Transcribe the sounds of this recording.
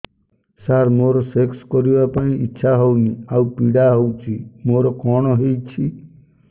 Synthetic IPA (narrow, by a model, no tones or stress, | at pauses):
saɾmoɾɔsekskɔɾibapaɽ̃ĩitːʃʰaɦowniawpiɽaɦowt͡ʃʰimoɾɔkɔɽ̃ɔɦejt͡ʃʰi